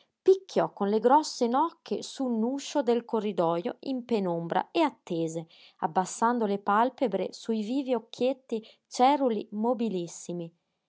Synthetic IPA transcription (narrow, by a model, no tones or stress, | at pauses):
pikʰːjɔkːonleɡɾɔsːenɔkʰːesunuːʃod̪elkorːid̪ɔːjo̰impenombɾa̰eat̪ːeːze | abːasːand̪olepalpebɾḛsuiviːviokʰːet̪ːi | t͡ʃɛɾulḭmobilisːimi